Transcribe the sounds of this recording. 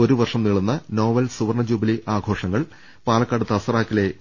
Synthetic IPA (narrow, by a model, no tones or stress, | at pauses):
o̞ɾuʋɐrʂɐmniɭunːɐno̞ːʋɐlsuʋɐrɳɐd͡ʑuːbiliʔaːɡʱo̞ːʂɐŋːɐɭ | paːlɐkːaɽut̪ːɐɐsɐraːkːile̞